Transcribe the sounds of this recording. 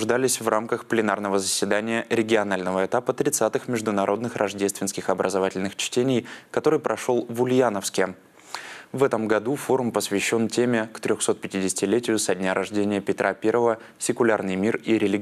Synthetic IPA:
ʊʐd̪alʲɪsʲvramkəxplʲɪnarnəvəzəsʲvʲɪd̪anʲɪjəɾʲɪɡʲɪɐn̪alʲnəvəɛt̪apət̪ɾʲɪt̪sat̪ɨxmʲɪʐd̪ʊnɐɾʔo̞d̪nɨxrɐʐdʲe̞st̪vʲɪnskʲɪxɐbɾʔəzɐvatʲɪlʲnɨxt͡ɕtʲenʲɪjkɐt̪o̞ɾɨjpɾʔɐʂo̞lˠvʊlʲjanəfskʲɪ | vɛt̪əmɡɐd̪ufo̞ɾʊmpəsvʲɪɕːo̞ntʲemʲɪkt̪ɾʲoxso̞t̪̚pʲɪ̥tʲɪdʲɪsʲɪ̥tʲɪlʲetʲɪjʊsɐdʲnʲaɾʔɐʐdʲenʲɪjəpʲɪt̪ɾʔapʲe̞rvəvə | sʲɪkʊlʲa̰rnɨjmʲiriɾʲɪlʲɪɡ

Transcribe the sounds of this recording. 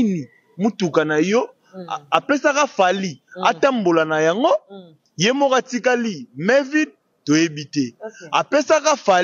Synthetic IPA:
ni | mutukanajɔ | apesakafalia̰tambolanajaŋɡo | jemokatikalimɛvid̚ | tojebitɛapesakafa

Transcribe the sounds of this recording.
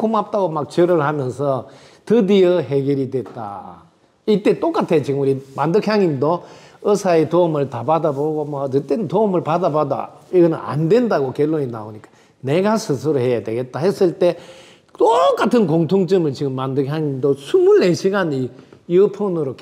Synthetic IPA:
kʰomap̚t͈aɡomak̚t͡ɕɯɾɯɭhamjʌnsʰʌ | tɯdiʌɦeɡjʌɾidwet̚t͈a̰ | it͈e̞t͈ok͈atʰe̞t͡ɕiɡɯmuɾimandɯkʰjaŋimdo | ʌsʰaetoɯmɯɭtabadaboɡomʌɯt͈enntoːmɯɭpadabada̰iɡʌnɯna̰ndwe̞ndaɡokjʌɭːoɲinaoɲik͈ḁ | neɡasʰɯs̬ʰuɾohe̞jadwe̞ɡe̞t̚t͈ahes͈ɯɭt͈e̞ | toɾk͈atʰɯnkoŋtʰoŋt͡ɕɯmɯɭt͡ɕiɡɯmːandɯkʰjaŋimdosʰumuɭːeɕʰiɡaɲijɯpʰonɯɾok

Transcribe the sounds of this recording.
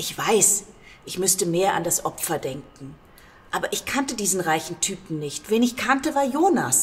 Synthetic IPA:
ʔɪçv̥aɪs | ʔɪçmʏstəmeːɐʔa̰ndasʔɔpfɐdɛŋkŋ̩ | ʔaːbɐʔɪçkʰantədiːzn̩ʁaɪçn̩tʰyːpm̩nɪçtv̥eːnɪçkʰantəvaːɐjoːna̰s

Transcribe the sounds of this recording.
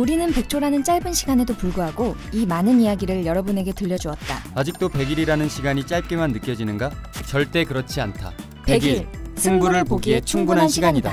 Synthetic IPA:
uɾinɯnpe̞k̚t͡ɕʰoɾanɯnt͡ɕ͈aɭbɯnɕʰiɡane̞dopuɭɡuɦaɡo | imanɯnijaɡiɾɯɭjʌɾʌbune̞ɡe̞tɯʎːʌd͡ʑuʌt̚t͈a̰ad͡ʑik̚t͈ope̞ɡiɾiɾanɯnɕʰiɡaɲit͡ɕ͈aɭp̚k͈emanːɯk͈jʌd͡ʑinɯnɡat͡ɕʌɭt͈e̞kɯɾʌt͡ɕʰiantʰa̰ | peɡiɭsʰuŋbuɾɯɭpoɡiet͡ɕʰuŋbunɦannɕʰiɡaɲida

